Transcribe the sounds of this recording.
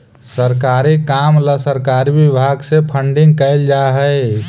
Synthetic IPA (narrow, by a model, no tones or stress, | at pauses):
səɾkaɾikamləsəɾkaɾibibʱaɡsepʰəɳɖiŋɡ̚kəɪld͡ʒaɦəɪ